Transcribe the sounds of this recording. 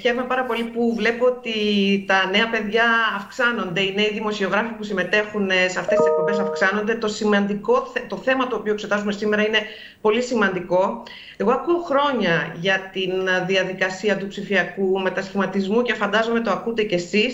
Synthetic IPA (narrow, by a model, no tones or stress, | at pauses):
çe̞ɾome̞pɐɾɐpo̞lipuvle̞poot̪it̪ɐne̞ɐpe̞ðʝɐːfksɐno̞nd̪e̞ineiðimo̞sio̞ɣɾɐfipusime̞t̪e̞xuneseɐft̪e̞st̪isek̚po̞mbe̞sɐfksɐno̞nd̪e̞t̪o̞simɐnd̪iko̞θet̪o̞θe̞mɐt̪oːpioekse̞t̪ɐzume̞sime̞ɾɐine̞ | po̞lisimɐnd̪iko̞ | e̞ɣo̞ɐkuoxɾo̞ɲɐʝɐt̪inðiɐðikɐsiɐt̪upsifiɐkume̞t̪ɐsçimɐt̪izmuce̞fɐnd̪ɐzo̞me̞t̪o̞ɐkut̪ece̞sis